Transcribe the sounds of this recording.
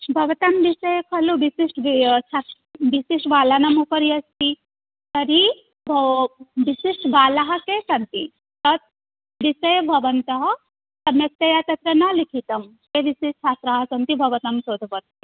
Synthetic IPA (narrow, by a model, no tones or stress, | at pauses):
bʱɐʋɐt̪ɐmʋisɐjkʰɐluʋisiʂʈt͡ʃʰa | ʋisiʂʈʋaːlanɐmupɐɾiɐst̪i | t̪ɐɾi | bʱ | ʋisiʂʈʋaːlaɦɐ̆kesɐnt̪ḭ | t̪ɐt̪̚ | ʋisɐjbʱɐʋɐnt̪ɐɦɐ | sɐmjɐk̚t̪ɐjat̪ɐt̪ɾɐnɐlikʰit̪ɐmkeʋisiʂt͡ʃʰaːt̪ɾaɦɐsɐnt̪ibʱɐʋɐt̪ɐmsoːd̪ʱɐpɐt̪̚e